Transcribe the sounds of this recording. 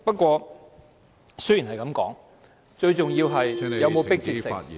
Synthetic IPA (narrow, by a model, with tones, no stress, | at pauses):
pɐ˥t̚kʷɔː˧ | sɵ˥ji˨˩nɦɐ˨jkɐ˨˥mkɔ̰ː˨˥ŋ | t͡ʃɵ˧ɥt͡sʊ˨ŋjiː˧wɦɐ˨jjɐ˨˧wmo˨˧wpɪ˥k̚t͡siː˧sɪ˨˩ŋ